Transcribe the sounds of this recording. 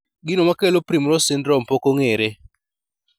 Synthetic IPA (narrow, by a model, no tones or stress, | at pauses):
ɡinomakelopɾimɾɔsɪndɾɔmpɔkoŋeɾe